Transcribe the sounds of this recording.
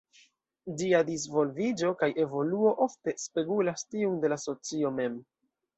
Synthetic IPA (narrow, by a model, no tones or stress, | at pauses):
d͡ʒiadisvo̞lvid͡ʒo̞kajʔe̞vo̞luo̞ʔofte̞spe̞ɡulastiunde̞laso̞t͡sio̞me̞m